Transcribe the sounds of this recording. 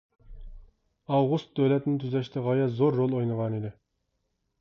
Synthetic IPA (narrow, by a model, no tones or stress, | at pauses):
ɑwʁust̪̚d̪øwlɛt̪ɪnɪt̪ʰyzɛʃt̪ʰɛʁɑjɛzoɾːolˠojnəʁɑnid̪ɪ